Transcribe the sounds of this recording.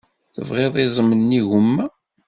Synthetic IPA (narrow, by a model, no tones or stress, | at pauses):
θə̰vʁeðˤizˤəmənːiʝʊmːæ